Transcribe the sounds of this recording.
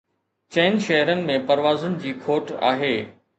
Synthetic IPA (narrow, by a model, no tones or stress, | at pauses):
t͡ɕɐ̃ːɪnʃɐɦɾənɪ̆mẽpɐɾʋaːzʊnɪ̆d͡ʑiːkʰoːʈa̰ːɦeː